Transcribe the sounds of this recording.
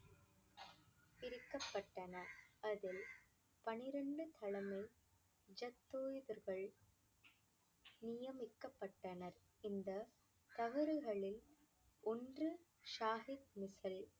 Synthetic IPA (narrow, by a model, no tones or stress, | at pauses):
ɪɾɯkːɐpːɐʈːɐnɐɐðɪl | pɐnɪɾɐɳɖɯt̪ʰɐɭɐmɐɪ | d͡ʒɐt̪ːoːjɯðɐɾɣɐɭ | nɪjɐmɪkːɐpːɐʈːɐnɐɾ | ɪnd̪ɐ | t̪ɐʋɐɾɯɣɐɭɪl | ɔndrɯ | ʂaːɦɪt̪̚mɪsɐl